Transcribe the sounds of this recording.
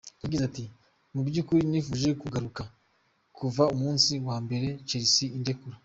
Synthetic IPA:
jaɡizati | mubɟukuɾinifuːʒe̞kuɡaɾuka | kʰuvaumuːnsiwaːmbe̞ɾe̞t͡ʃeɾisiinde̞kuɾa

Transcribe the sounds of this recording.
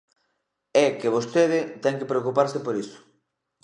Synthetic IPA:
ɛkeβ̞ost̪eð̞ɪt̪ɛŋkepɾeokupaɾsɪpoɾisʊ̥

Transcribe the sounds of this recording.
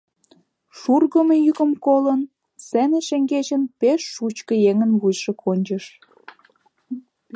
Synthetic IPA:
ʃurɣə̆mejykə̆mkolən | seneʃeŋɡet͡ɕənpeʃːut͡ɕkə̆jeŋənβujʃĕkʰonʲt͡ɕəʃ

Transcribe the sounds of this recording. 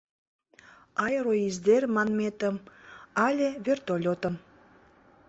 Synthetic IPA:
ɑjɾoizd̪ermɑnmet̪ə̆mɑlʲĕβert̪olʲot̪ə̆m

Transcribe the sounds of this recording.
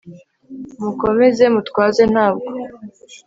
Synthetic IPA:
muko̞me̞ze̞mutkwaːze̞n̥haːb̚ɡo̞

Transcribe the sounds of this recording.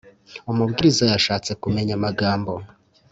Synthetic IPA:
omubɡiɾizajaʃaːt͡se̞kume̞ɲamaɡaːmbo̞

